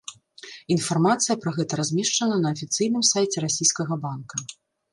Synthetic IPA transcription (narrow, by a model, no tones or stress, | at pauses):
infarmat̪sɨjɐpɾɐɣɛt̪ɐɾazʲmʲɛʂt͡ʂɐnɐnɐːfʲit̪sɨjn̪ɨmsajt͡sʲɛɾasʲijskɐɣɐbankɐ